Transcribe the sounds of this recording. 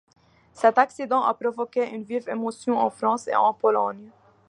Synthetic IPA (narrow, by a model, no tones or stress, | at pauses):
sat̪aksid̪ɔ̃ʔa̰pɾovokeʔynvivemosjɔ̃ã̰fɾɔ̃sḛã̰polɔnja